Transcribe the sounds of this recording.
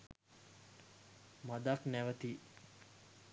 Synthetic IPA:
mad̪aknæʋət̪i

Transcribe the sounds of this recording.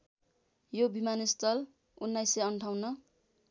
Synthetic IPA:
jobimanist̪ʌl | unːajseʌɳʈʰawnʌ

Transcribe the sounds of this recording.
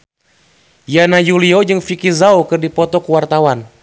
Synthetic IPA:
janajuliod͡ʒɨŋfikizaokɨrdipɔt̪ɔkəwart̪awan

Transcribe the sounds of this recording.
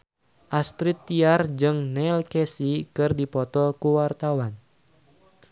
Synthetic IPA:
ʔast̪ɾit̪ːiard͡ʒɨŋnɛlkesikɨrdipɔt̪ɔkuwart̪awan

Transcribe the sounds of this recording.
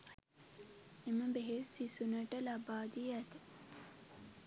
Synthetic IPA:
eməbeɦesisunəʈəlabaːd̪iæt̪ə̥

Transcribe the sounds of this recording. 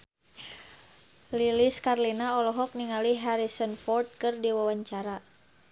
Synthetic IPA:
liliskarlinaɔlɔɦɔk̚niŋaliɦaɾisɔnfɔrt̪̚kɨrdiwawaɲt͡ʃaɾa

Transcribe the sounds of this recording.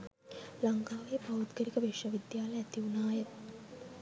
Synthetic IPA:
laŋkaːʋeːpaʋut̪ɡəɾikəʋeʃəʋid̪jaːləæt̪iunaːjət̪

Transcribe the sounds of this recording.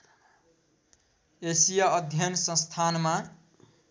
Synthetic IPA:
esijʌʌd̪ʱjʌnsʌ̃st̪ʰanma

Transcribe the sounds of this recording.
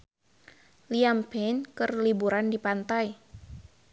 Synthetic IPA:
liampɛnkɨrlibuɾandipant̪ai

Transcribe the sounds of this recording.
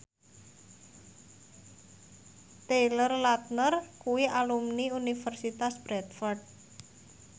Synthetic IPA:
t̪elərlat̪̚nərkuwiʔalumniunifərsit̪asb̥ɾɛt̪̚fɔrɖ̚

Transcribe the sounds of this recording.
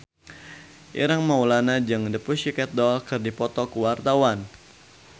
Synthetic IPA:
ʔḭɾaŋmawlanad͡ʒɨŋdəpuʃikɛt̪̚dɔlkɨrdipɔt̪ɔkəwart̪awan

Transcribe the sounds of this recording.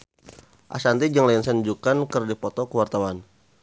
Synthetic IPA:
ʔa̰sant̪id͡ʒaŋlajnsɛnd͡ʒukankərdipɔt̪ɔkəwart̪awan

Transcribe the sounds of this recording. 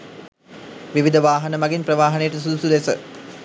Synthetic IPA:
ʋiʋid̪əʋaːɦɐnəmɐɡinprɐʋaːɦɐnejʈəsud̪usulesə̰

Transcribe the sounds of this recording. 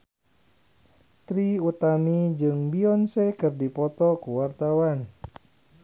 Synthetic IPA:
t̪ɾiut̪amid͡ʒɨŋbiɔnsɛkɨrdipɔt̪ɔkuwart̪awan

